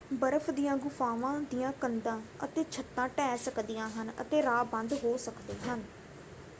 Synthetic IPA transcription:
bəɾəfʰd̪ijãːɡʊfaːʋãːd̪ijãːkənd̪ãːət̪eːt͡ʃʰət̪ːãːʈɛːsəkd̪ijãːɦənə̰t̪eːɾaːbə̃nd̪ɦoːsəkd̪eːɦən

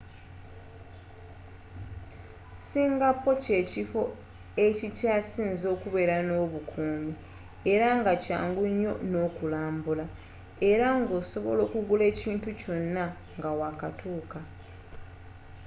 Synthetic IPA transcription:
siːŋɡapːo̞ce̞ːcifo | e̞cicaːsiːnzo̞ːkuβe̞ɾano̞ːβukʰuːmi | eɾaŋɡaca̰ːŋɡuɲːo̞̰no̞ːkulaːmbula | e̞ɾaŋɡo̞ːso̞βo̞̰lo̞ːkuɡule̞ːciːntuco̞nːa | ŋɡawakatʰuːka

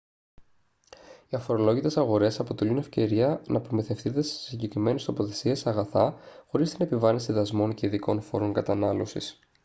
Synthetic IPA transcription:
iɐfo̞ɾo̞lo̞ʝit̪e̞sɐɣo̞ɾe̞sɐpo̞t̪e̞lune̞fce̞ɾiɐnɐpɾomiθe̞fθid̪ese̥siɲɟe̞kɾime̞nest̪o̞po̞θe̞siesɐɣɐθɐxo̞ɾist̪ine̞pivɐnisiðɐzmo̞nce̞iðiko̞nfo̞ɾo̞ŋkɐt̪ɐnɐlo̞sḭs

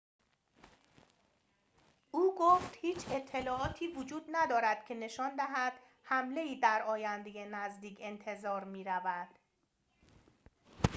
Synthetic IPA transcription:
ʔuːɡoft̪hiːt͡ʃʰe̞t̪ʰːe̞lɒːɒːt̪ʰiːvod͡ʒuːd̪næd̪ɒːɾæd̪̥cʰe̞ne̞ʃɒːnd̪æɦæd̪̥ | hæmle̞iːd̪æɾɒːjænd̪e̞jenæzd̪iːcʰe̞nt̪ʰe̞zɒːɾmiːɾævæd̪̥

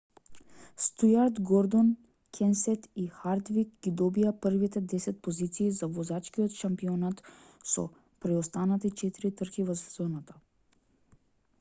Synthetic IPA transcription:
st̪ujaɾd̪ɡɔɾd̪ɔn | kʲʰɛnsɛt̪ixaɾd̪vikɡid̪ɔbiapər̩vit̪ɛd̪ɛsɛt̪̚pozit̪siːzavɔzat͡ʃkiɔt̪ʃampiɔnat̪ | sɔ̰ | pɾɛɔst̪anat̪it͡ʃɛt̪iɾit̪r̩kivɔszɔnat̪ḁ

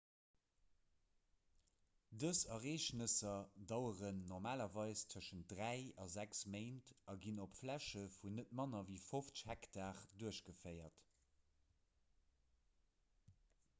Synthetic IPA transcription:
dəsɐʁeːʃnəsɐdɑʊəʁənːɔʁmaːlɐvɑɪst͡sʰəʃənt̚dʁæɪɑzæksmeɪntɑɡinopflæʃəfunət̚mɑnɐviːfoft͡sə̥ʃhɛktaːʁduəʃɡəfɜɪɐt

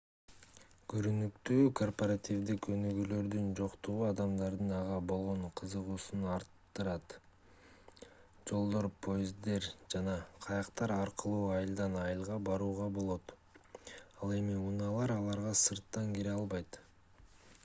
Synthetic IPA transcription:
ɡ̥øɾynykt̪yːkʰo̞rpoɾat̪ʲivd̪ikø̞nyɡylø̞ɾd̪ynd͡ʒo̞qt̪uʁuɑd̪ɑmd̪ɑɾd̪ɯnɑʁɑbo̞lˠʁo̞ɴqʰɯzɯʁuːsunɑɾt̪ːɯɾɑt̪ | d͡ʒo̞lˠd̪o̞ɾpʰo̞jɪzd̪e̞ɾd͡ʒɑnɑqʰɑjɑqt̪ɑɾɑɾqɯlˠuːɑjɯlˠd̪ɑnɑjɯlˠʁɑbɑɾuːʁɑbo̞lˠo̞t̪ | ɑlˠe̞miunɑlˠɑɾɑlˠɑɾʁɑsɯɾt̪ːɑŋɡeɾɑlˠβɑjt̪

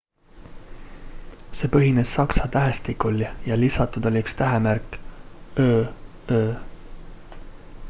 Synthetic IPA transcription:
se̞ːpɤɦine̞sːɑksɑt̪æɦest̪ikːˑulijɑlisɑt̪ːˑud̪̥olʲiykst̪æɦemæɾkˑ | øː | øː

